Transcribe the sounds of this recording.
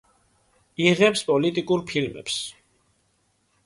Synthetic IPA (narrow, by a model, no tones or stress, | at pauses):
iʁɛpspʼɔlit̪ʼikʼuɾpʰilmɛ̰ps